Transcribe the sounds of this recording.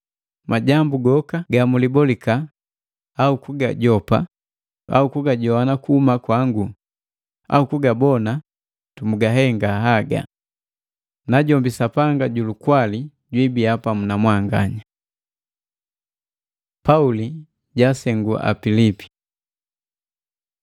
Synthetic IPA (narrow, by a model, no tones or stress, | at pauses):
maɟambuɡɔkaɡamulibɔlikaː | ukuɡa̰ɟɔpa | a̰ukuɡaɟɔanakuhumakwaŋɡu | a̰ukuɡabɔna | tumuɡaɦɛŋɡaɦaɡa̰ | naɟɔmbisapaŋɡaɟulukwali | ɟwibiapamunamwaŋɡa̰ɲa | pauli | ɟasɛŋɡua̰pilipi̥